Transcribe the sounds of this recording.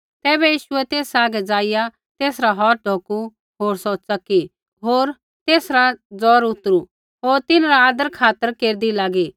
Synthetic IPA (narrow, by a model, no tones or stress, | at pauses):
t̪ɛːbɛjiːʃʊɛt̪eːsaːɡɛd͡zaːɪja | t̪eːsɾaɦɔːɾ̚ɖʱoːku | ɦoːɾsoːtːsaki | ɦoːɾ | t̪eːsɾad͡zɔːɾʊt̪ːəɾu | ɦoːɾt̪ɪnɾaaːd̪əɾkʰaːt̪əɾkeːɾd̪ilaːɡiː